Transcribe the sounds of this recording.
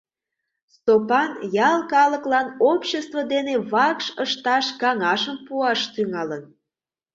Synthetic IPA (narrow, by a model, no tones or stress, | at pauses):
st̪opɑnjɑlkɑləklɑnopɕest̪vod̪eneβɑkʃəʃt̪ɑʃkɑŋɑʃəmpuɑʃt̪yŋɑlən